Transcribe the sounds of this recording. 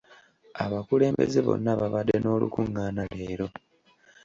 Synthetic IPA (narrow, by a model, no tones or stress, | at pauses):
aβakule̞ːmbe̞̰zeβo̞̰nːaβaβadːeno̞ːlṵkuŋɡaːnale̞ːɾo̞